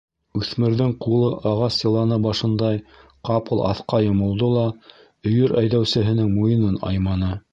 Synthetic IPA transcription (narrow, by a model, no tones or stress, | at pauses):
ʉθmɘ̆ɾðɘŋqulˠɤʔɑʁɑsjɤ̆lˠɑnɤbɑʃɤ̆nd̪ɑj | qɑpɤlˠʔɑ̰θqɑjŏmɤ̆lˠd̪olˠɑ | ɵ̆jɵɾæjðæwsɘ̆ɦɘ̆nɘŋmujɤ̆nɤnɑ̰jmɑnɤ